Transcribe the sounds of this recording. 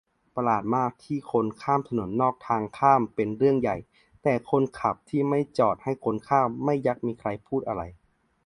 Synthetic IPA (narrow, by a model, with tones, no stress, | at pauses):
pa˧laː˨˩t̪̚maː˥˩k̚t̪ʰiː˧˥˩kʰo˧nkʰaː˥˩mt̪ʰa˧no˩˦nːɔː˥˩k̚t̪ʰaː˧ŋkʰaː˥˩mpe˧nɾɯ˥˩əŋja˨˩j | t̪ɛː˨˩kʰo˧˥nkʰa˨˩p̚t̪ʰiː˥˩ma˥˩jt͡ɕɔː˨˩t̪̚ha˥˩jkʰo˧nkʰaː˥˩ma˥˩jːa˧˥k̚miː˧kʰɾa˧jpʰuː˥˩t̪̚ʔa˧ɾa˧j